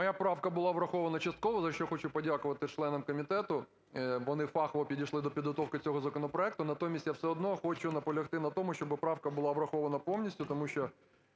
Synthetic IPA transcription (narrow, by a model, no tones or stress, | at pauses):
mɔjapɾɑwkɐbʊlˠɑʋɾɐxɔʋɐnɐt͡ʃɐst̪kɔʋɔzɐʃt͡ʃɔxɔt͡ʃʊpɔdʲakʊʋɐt̪ɪt͡ʃlˠɛnɐmkɔmʲit̪ɛt̪ʊ | ʋɔnɪfɑxɔʋɔpʲidʲijʃlˠɪd̪ɔpʲid̪ɦɔt̪ɔwkɪt͡sʲɔɦɔzɐkɔnɔpɾɔɛk̚t̪ʊnɐt̪ɔmʲisʲtʲjawsɛɔd̪nɔxɔt͡ʃʊnɐpɔlʲɐxt̪ɪnɐt̪ɔmʊʃt͡ʃɔbɪpɾɑwkɐbʊlˠɑʋɾɐxɔʋɐnɐpɔwnʲisʲtʲʊt̪ɔmuʃʲt͡ʃɔ